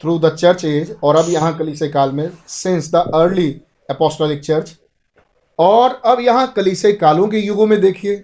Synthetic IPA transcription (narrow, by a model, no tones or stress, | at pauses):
t̪ʰɾuːd̪ɐt͡ʃəɾt͡ʃeːd͡ʒɔːɾɐbjɐɦãkɐliːsekaːlmẽsɪ̃nsd̪əʔəɾli | ɛpɔːsʈɔːlɪk̚t͡ʃɐɾt͡ʃ | ɔːɾɐbjɐɦãkɐliːsekaːlõk̬ejʊɡõmẽd̪eːkʰieː